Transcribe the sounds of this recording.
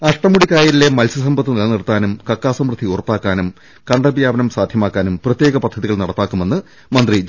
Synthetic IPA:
ɐʂʈɐmːuɽikaːjiɾile̞mɐlsɐsɐmbʱɐt̪ːɨnɐlniɽt̪ːaːnumkɐkːaːsɐmrɨd̪ʱiurpːaːkːaːnum | kɐɳɖɐbjaːbɐnɐmsaːd̪ʱjɐmaːkːaːnumprɐt̪je̞ːɡɐpɐd̪ʱːɐðiɣɐɭnɐɽɐt̪ːaːkːume̞nːɨ | mɐnd̪ri

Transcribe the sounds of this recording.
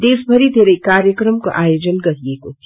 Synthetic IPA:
d̪eːsbʱəɾid̪ʱeːɾəikaːɾjəkɾəmkoʔaːjoːd͡ʒənɡɐɦieko

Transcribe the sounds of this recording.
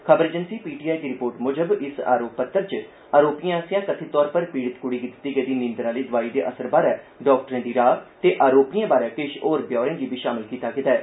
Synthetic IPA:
kʰəbəɾd͡ʒənsiːpiːʈiːaːjd̪iːɾɪpoːɾʈmʊːd͡ʒəbɪsa̰ːɾoːpːət̪ːəɾt͡ʃə | aːɾoːpijãːsɪjãːkət̪ʰiːt̪ɔːɾpəɾpiːɽət̪kʊɽiːɡɪt̪ɪ̥t̪ːiːɡəd̪iːnɪ̃ːnd̪ɾãːleiːd̪ʊʋaːiːd̪eːʔəsəɾbaːɾɛː | ɖɔːkʈəɾẽːd̪iːɾaːt̪eːʔaːɾoːpijãːbaːɾɛ̃ːkɪʃoːɾbjɔːɾẽːɡiːbʱiːʃaːmɪlkiːt̪aːkɪt̪aɛː

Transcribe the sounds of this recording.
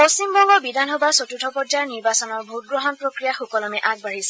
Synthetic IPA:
pɔsimbɔŋɡɔbidanɦobasotutʰɔpɔdaɹniɹbasɔnɔɹbʱut̚ɡɹɔɦɔnpɹokɹijaxokɔlɔmɛʔaɡ̚baɹisɛ̥

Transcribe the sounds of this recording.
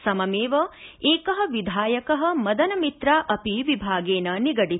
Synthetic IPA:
sɐmɐmeːʋɐeːkɐɦɐʋid̪ʱaːjɐkɐɦɐmɐd̪ɐnɐmit̪ɾaːʔɐpiʋibʱaːɡeːnɐniɡɐɽi

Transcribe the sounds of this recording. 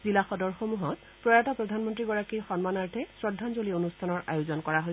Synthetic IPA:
zilaxɔdɔɹxomuɦɔt̚ | pɹɔjatapɹɔdʱanmɔntɹiɡɔɹakixɔnmanaɹtʰɛsɹɔdʱːanzolionustʰanɔɹʔa̰juzɔnkɔɹaɦoj

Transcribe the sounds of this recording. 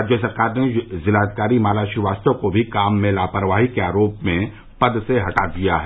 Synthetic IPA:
d͡ʒesɐɾkaːɾnezɪlaːt̪̚kaːɾimaːlaːʃiʋaːst̪õkobʱikaːmːẽlaːpəɾʋaːɦikeaːɾoːpmẽ | pɐd̪seɦɐʈad̪ijaɦɛ

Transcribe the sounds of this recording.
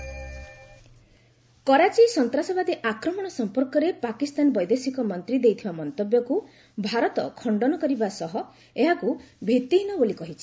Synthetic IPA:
kɔɾat͡ʃisɔnt̪ɾasɔbad̪iʔakɾɔmɔɽ̃ɔsɔmpɔɾkɔɾepakist̪anɔbɔjd̪esikɔmɔnt̪ɾid̪ejt̪ʰibamɔnt̪objɔku | bʱaɾɔt̪ɔkʰɔɳɖɔnɔkɔɾibasɔɦɔ | eɦakubʱit̪ːiɦinɔbolikɔɦit͡ʃʰi

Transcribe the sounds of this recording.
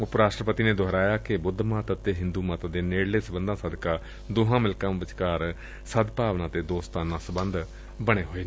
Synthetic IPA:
ʊpɾaːʃʈɾəpət̪iːneːd̪ʱoɦɾaːjaːkɪbʊd̪ʱːmaːt̪ət̪eːɦɪnd̪uːmat̪ad̪eːneːɽleːsəbənd̪ãːsəd̪kaː | d̪ʊɦãːmɪlkãːbət͡ʃkaːɾ | səd̪paːʋnãːt̪eːd̪oːst̪aːnãːsəbənd̪ | bəɽ̃eːɦoːeː

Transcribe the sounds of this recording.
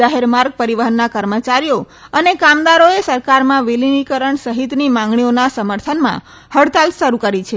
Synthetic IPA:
aɦeɾmaɾɡ̚pəɾiʋəɦənːakəɾmət͡ʃaɾijo | ənekamd̪aɾoesəɾkaɾmãʋelinikəɾəɳsəɦit̪nimãŋ̆ɡɳionasəməɾt̪ʰənmã̰ | həɽt̪alʃəɾukəɾit͡ʃʰe

